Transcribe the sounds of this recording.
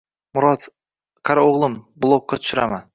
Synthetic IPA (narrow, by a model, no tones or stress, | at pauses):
mʊɾɒt̪ | kʰaɾaoʁlˠɪmblˠokːat̪ʰʊ̥ʃʊɾa̰man